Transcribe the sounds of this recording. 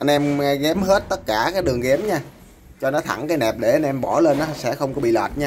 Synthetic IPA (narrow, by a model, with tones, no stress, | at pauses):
ʔa˧nʔɛ˧m˨ɣɛ˨˦mɦe˦˥t̚t̪ə˦˥t̚kaː˧˩kaː˨˦jɗɨ˨˩əŋɣɛ˨˦mɲaː˧ | t͡ɕɔ˧nɔ˨˦t̪ʰa˧˩ŋkaː˨˦jnɛ˨˩p̚ɗe˧˩ʔa˧nʔɛ˧mɓɔ˧˩le˧nːɔ˨˦sɛ̰˧˥xə˧wŋ͡mkɔ˨˦ɓḭ˧˨lwa̰˨˩t̚ɲaː˧